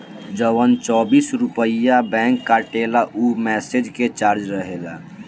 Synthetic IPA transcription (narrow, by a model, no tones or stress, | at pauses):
d͡ʒəwənt͡ʃɔːbisɾupəijabɛ̃ŋkːaʈelaʔumɛsed͡ʒket͡ʃaːɾd͡ʒɾəɦela̰